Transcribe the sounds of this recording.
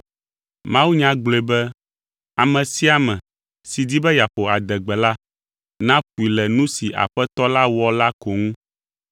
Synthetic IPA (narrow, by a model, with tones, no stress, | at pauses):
mã˦wu˦ɲã˦ɡ͡ble˨bɛ˦ | a˨mɛ̃˨si˦a˨mɛ̃˨ | si˨d̪i˦bɛ˦ja˨ɸo˨a˨d̪ɛ˨ɡ͡bɛ˨la˦ | nã˦ɸu˨i˨lɛ˨nũ˦si˨ʔa̰˨ɸɛ˦t̪ɔ˦la˦wɔ˦la˦ko˨ŋũ˦